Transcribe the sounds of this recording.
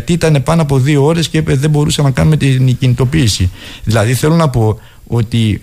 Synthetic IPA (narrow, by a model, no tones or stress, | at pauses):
t̪iit̪ɐne̞pɐnoɐpo̞ðio̞o̞ɾe̞sceipeðe̞bo̞ɾusɐnɐkɐnume̞t̪incinit̪o̞piːsiðilɐðiθe̞lo̞nɐpo̞ | o̞t̪i